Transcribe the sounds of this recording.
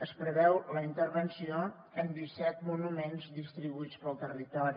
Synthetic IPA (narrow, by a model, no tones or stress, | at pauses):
əspɾəβɛwləint̪əɾβənsio | ənd̪isɛt̪munumenzðist̪ɾiβuit͡spəlˠt̪ərit̪ɔɾi